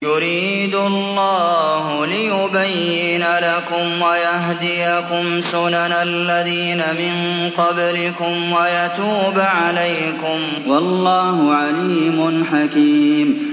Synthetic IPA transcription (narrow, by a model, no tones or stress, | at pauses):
jʊɾiːd̪ʊlːɑːhʊlɪjʊbajːɪnlakʊmwajaɦd̪ɪjakʊmsʊnanalːaðiːnamɪnqɑblɪkʊmwajat̪uːbʕalaj | kʊm | wɑlˤːɑːhʊʕaliːmʊnħakiːm